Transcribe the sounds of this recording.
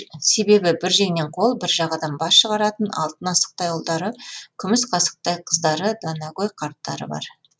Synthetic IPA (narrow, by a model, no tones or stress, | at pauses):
se̞be̞bɪbɪɾʒe̞jne̞ɴqʰo̞lˠbɪɾʒɑʁɑd̪ɑnbɑsʃəʁɑɾɑt̪ənɑ̰lˠt̪ənɑsə̥q̚t̪ɑjolˠd̪ɑɾəkʲʰʏmɪsqʰɑsə̥q̚t̪ɑjqʰəzd̪ɑɾəd̪ɑnɑɡojqʰɑɾt̪ːɑ̰ɾə̰bɑ̰ɾ